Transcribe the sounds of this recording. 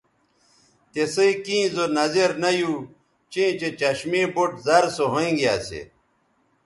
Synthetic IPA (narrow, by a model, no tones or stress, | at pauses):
t̪esɐikĩːzonɐzeɾnɐju | t͡ɕẽːt͡ɕet͡ɕɐɕmẽːboʈzɐɾsoɦoĩɡja̰ːsḛ